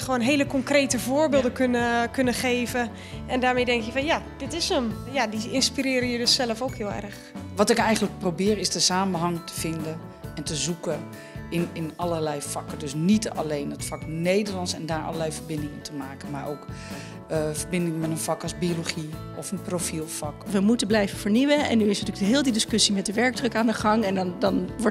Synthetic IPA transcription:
χəʋoːnɦeːləkɔŋkreːtəvoːɹbɪːlˠdəkønəkønəχeːvə | ʔɛndaːɹmejdɛŋkjəfɔnjad̥ɪtɪsəmjadiɪnspiɾɪːɾəjədøsɛləfoːkhɪːlˠɛ̰rx | ʋɔtɪkɛjɣəntlək̚prowbɪːɾɪsdəsaːmənɦɑŋtə̥v̥ɪndə | ɛntəzukə | ɪnɪnɑlərlɛjfɑkədøsnitɑ̰lejnətfɑknejdərlɑnsɛndaːɹɑ̰ləlɛjfəɹbɪndɪŋɪntʰəmaːkənmaːɹowk | fəɹbɪndɪŋmɛtənfɑkɑzbioloχi | ɔfənprofilˠfɑkʋəmutənblɛjvəfəɹniʋəɛ̰nyɪsnətyːəɦɪːlˠdidɪskɵsimɛt̚dəʋɛɹɡ̚drɵkaːndəχɑŋɛndndɑnʋɔ

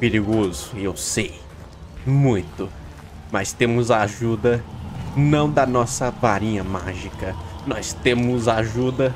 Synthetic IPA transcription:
peɾiɡozʊewsej | mũj̃t̪ʊ | mɐst̪ẽmʊzaaʒud̪ɐnɐ̃w̃d̪ɐnɔsɐvaɾĩɲɐma̰ʒikɐnɔst̪ẽmʊzaaʒud̪ɐ

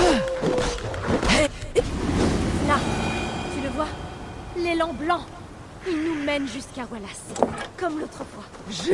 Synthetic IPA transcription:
lasiləvwalelɑ̃blɑ̃ | ilnumɛnʒyskaʁwalaskɔmlot̪χəpwa | ʒ

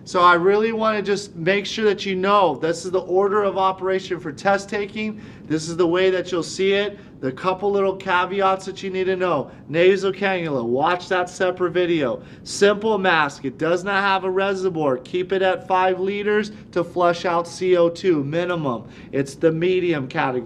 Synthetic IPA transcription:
soʊaɪɹɪlˠiwɑ̃ñɨd͡ʒʌstmeɪkʃʊɹðɨt͡ʃɨnoʊðɪsɨzðiʔɔɹɾə˞ʌvɑpə˞eɪʃɨ̃nfə˞tʰɛstʰeɪkɪ̃ŋ | ðɪsɨzðəweɪðɨt͡ʃɨlˠsiɪt̪̚ | ðɨkʰʌpl̩ˠlɪɾl̩ˠkʰæviɑtsðɨt͡ʃɨnid̚tɨnoʊ | neɪzoʊkʰæ̃njəl̩ˠəwɑt͡ʃðətsɛpɹətvɪɾioʊ | sɪ̃mpl̩ˠmæskɨt̚d̥ʌznət̚ɦəvəɹɛzəvɔɹkʰipɨɾɨtfaɪvliɾə˞z̥ | tʰəflʌʃaʊtsioʊtʰʉmɪ̃nəmə̰̃m | ɨtsðɨmiɾiɨ̃mkʰæɾɨɡ

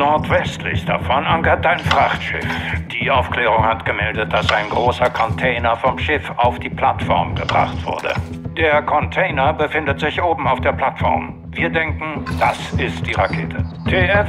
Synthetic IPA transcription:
nɔɐtv̥ɛstʰlɪ̰çd̥afɔnʔaŋkɐtaɪnfʁ̥aχtʃɪ̰fd̥iːʔaʊfklɛːʁ̞ʊŋhatɡ̥əmɛldət̚d̥asaɪnɡʁoːsɐkʰɔntʰɛɪnɐfɔmʃɪfaʊfd̥iːpʰl̥atfɔ̰ɐmɡəbʁa̰χtv̥ʊ̰ɐdə̰d̥eːɐkʰɔntʰɛɪnɐbəfɪndətz̥ɪçʔoːbm̩aʊfd̥eːɐpl̥atfɔ̰ɐm | viːɐdɛŋkŋ̩d̥asɪst̚d̥iːʁakʰeːtʰətʰeːɛf

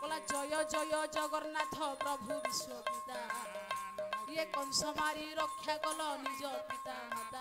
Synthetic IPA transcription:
kɔlad͡ʒɔjɔd͡ʒɔjɔd͡ʒɔɡɔɾnat̪ʰɔpɾɔbʱubiswɔpit̪a | ɾiekɔwsɔmaɾiɾɔkʰːjakɔlɔnid͡ʒɔpit̪amɔt̪a

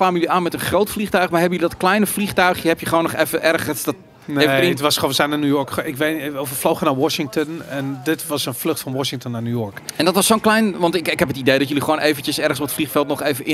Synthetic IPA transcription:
aːmjəliʔaːnmɛtənχrowtfliχtœɥχmarɦɛbənjølidɔtklɛjnəfliχtœɥxjəɦɛpjəχəʋoːnːɔχefəʔɛrχənsdɔt | evəɪtʋɔsχoːnsɛnanujɔɹkɪkʋeovəflowχənaʋɔʃɪŋktənɛndɪtʋɑsənflɵχtfɔnʋɔʃɪŋtənːanjujɔɹkɛndɔtʋɔsːoːnklɛjnʋɑntɪkɪkɦɛpətidejdɔtjəliχoːnʔeːvəntjəsɛrχənsɔpətflixfɛlˠtnɔχeːvəʔɪ

